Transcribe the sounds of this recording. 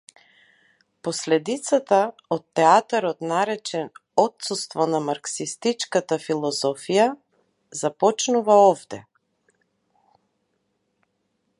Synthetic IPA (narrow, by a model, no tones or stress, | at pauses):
pɔslɛd̪it̪sat̪aɔt̪ːɛat̪aɾɔt̪naɾɛt͡ʃɛnɔt̪sust̪vɔnamaɾksist̪it͡ʃkat̪afilˠɔzɔfija | zapɔt͡ʃnuvaɔvd̪ɛ̰